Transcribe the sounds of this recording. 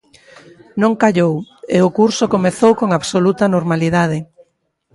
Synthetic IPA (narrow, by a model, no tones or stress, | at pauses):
nõŋkaʎoweʊkuɾsokomeθowkoŋaβsolut̪ɐnoɾmaliðaðɪ